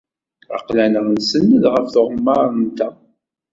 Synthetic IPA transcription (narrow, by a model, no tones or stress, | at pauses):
ə̰qlænəʁnsənːəðʁəfθoʁəmːɑɾˤnt̪æ